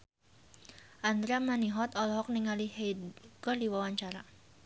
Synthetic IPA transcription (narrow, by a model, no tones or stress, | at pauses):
ʔand̪ɾamaniɦɔt̪ɔlɦɔk̚niŋalihejdɡɔrdiwawaɲt͡ʃaɾa